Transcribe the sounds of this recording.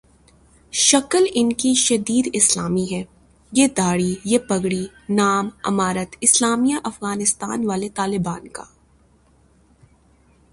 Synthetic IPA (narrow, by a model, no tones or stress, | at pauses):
ʃɐkəlɪnkiʃɐd̪iːd̪ɪslaːmiɦɛː | jed̪aːɽijepɐɡɽi | naːmɐ̰maːɾət̪ɪslaːmijaʔɐfɣaːnɪst̪a̰ːnʋaːlet̪aːlɪbaːnka̰ː